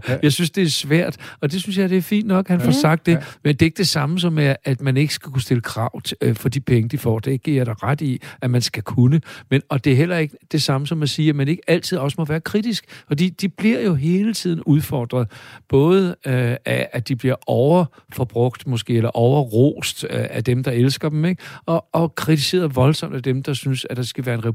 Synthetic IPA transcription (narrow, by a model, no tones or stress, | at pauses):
jɑ̈ɪsynsd̥e̝æɐsʋæɐ̰d̥ɒ̽d̥e̝synsjɑ̈ɪd̥e̝æɐfḭːnd̥nɒ̽ɡ̥hænfɒsɑ̈ɡ̥d̥ːe̝mend̥e̝ɐe̝ɡ̥d̥e̝sɑ̈məs̬ɒ̽mːeːd̥mæne̝ɡ̥əsɡ̥ækʰusd̥e̝ləkʰʁɑ̈ʊ̰fɒ̽d̥ipʰeŋəd̥ifɒ̰ːd̥eɡ̥iɐd̥ɾɑʁad̥iæmænsɡ̥ækʰunəmenɒ̽d̥e̝æɐɦel̰ɐe̝ɡ̥əd̥e̝sɑ̈məsɒ̽mæsiːmene̝ɡ̥əæl̰t͡sʰiðˠɒ̽səmɔ̽ʋæːɐkʰʁid̥isɡ̥fɒ̽d̥ḭːd̥ib̥liɐ̰jo̝ɦe̝ːlət͡sʰið̞̰ˠn̩uð̞ˠfɒːd̥ʁɐð̩ˠb̥ɔ̽ːð̞ˠəææd̥ib̥liɐɒʊɐ | fɒb̥ʁɔ̽ɡ̥̚d̥mɔ̽sɡ̥e̝̰ːelɐʔɒʊɐʁo̰ːsd̥æd̥emd̥ɑ̈elsɡ̥ɐd̥emeɡ̥ɒ̽ːkʰʁit͡sʰise̝̰ːɐðˠʋɒ̽lsɒ̽m̰d̥æd̥emd̥ɑ̈synsæd̥ɑ̈sɡ̥æʋæːɐe̝nʁɛ